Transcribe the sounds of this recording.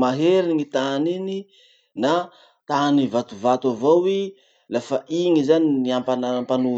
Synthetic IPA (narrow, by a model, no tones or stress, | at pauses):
maɦeɾiŋit̪anini | na | t̪anivat̪uvat̪avawi | lafaʔiŋizaniniampanampanu